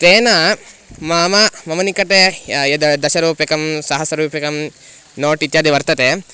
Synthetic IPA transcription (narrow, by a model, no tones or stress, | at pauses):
pʋeːnamaːmɐmɐmɐnikɐʈejɐd̪ɐd̪ɐʃɐɾuːpjɐkɐmsɐɦɐsɐɾuːpjɐkɐm | noːʈit̪jaːd̪iʋɐɾt̪ɐt̪e